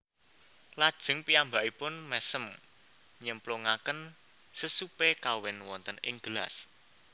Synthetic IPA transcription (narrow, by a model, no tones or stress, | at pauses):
lad̥ʒ̥ə̤ŋpiambaʔipʊnmɛsəm | ɲəmploŋakən | səsupekawɪnwɔnt̪ənɪ̰ŋɡ̥əla̰s